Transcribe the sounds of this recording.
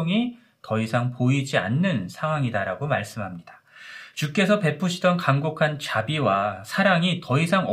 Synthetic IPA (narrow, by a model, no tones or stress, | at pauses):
ŋi | tʌisʰaŋpoid͡ʑia̰nːɯnsʰaŋwaŋidaɾaɡomaɭs͈ɯmɦamɲid̥ḁ | t͡ɕuk͈e̞sʰʌpe̞pʰuɕʰidʌnkamɡokʰant͡ɕabiwasʰaɾaŋitʌisʰaŋʌ